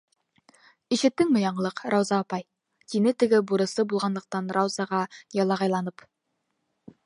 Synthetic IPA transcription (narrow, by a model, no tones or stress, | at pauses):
iʃɪ̆t̪ːɪŋmɪjɑɴəlˠɤqɾɑwzɑːpɑj | t̪ʰinɘt̪ɪ̆ɡʲɪbuɾɤ̆sɤbulˠʁɑnd̪əq̚t̪ɑnɾɑwzɑʁɑjɑlˠɑʁɑjlˠɑnəp